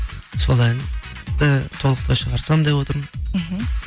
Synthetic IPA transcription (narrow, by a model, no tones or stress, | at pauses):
solˠænt̪ət̪ʰo̞lˠəq̚t̪ɑʃəʁɑɾsɑmd̪epwo̞t̪əɾmənɦ̩